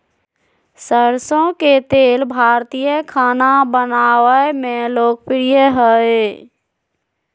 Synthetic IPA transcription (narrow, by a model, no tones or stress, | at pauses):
səɾsõket̪eːlbʱaːɾt̪ijəkʰaːnabənaːwəmẽloːk̚pɾijəɦəe